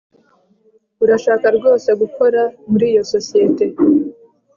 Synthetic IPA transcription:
uɾaʃaːkaɾɡo̞ːseɡuko̞ɾamuɾiːjo̞so̞sijete̞

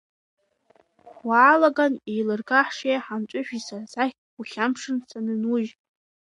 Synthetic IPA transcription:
waːlaɡanejlɨrɡaħʂejaħamt͡ʃʷʼʊʃᶣisarzaχʲ | uχʲampʂɨnsanɨnuʒ

